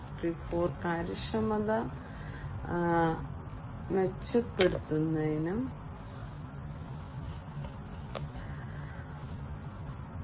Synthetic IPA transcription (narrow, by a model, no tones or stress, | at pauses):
kripːoːrkaːɾiʂɐmɐðɐ | ʋet͡ɕːɐpːe̞ɽut̪ːunːɐðinum